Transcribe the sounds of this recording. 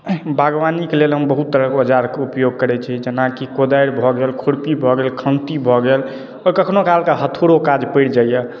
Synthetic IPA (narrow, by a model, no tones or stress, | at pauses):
bʱaɡʋanikelelɦəmbəɦut̪ːəɾəkeəd͡ʒaɾkeupjoɡ̚kəɾɛt͡ʃʰid͡ʒənakikod̪ajɾbʱɔɡelkʰuɽpibʱɔɡelkʰə̃nt̪ibʱɔɡel | ɔkəkʰnokalkaɦət̪ʰoɽokad͡ʒpəɪɽd͡ʒajɛ